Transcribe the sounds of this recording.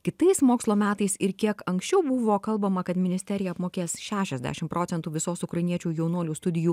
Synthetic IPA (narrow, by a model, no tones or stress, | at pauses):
kʲɪt̪ɐɪsmoːkslˠoːmʲæːt̪ɐɪsɪɾkʲiɛkɐŋksʲt͡ʃʲɛʊbʊʋoːkɐlˠbɐmɐkɐt̪mʲɪnʲɪsʲt̪ʲɛɾʲɪjɛɐpmoːkʲeːsʃʲæːʃʲɛzʲd̪ʲæ̰ːʃʲɪmpɾʔoːt̪ʲɛnt̪uːʋʲɪsoːsʊkɾɐɪnʲiɛt͡ʃʲuːjɛʊnuɔlʲuːst̪ʊd̪ʲɪjuː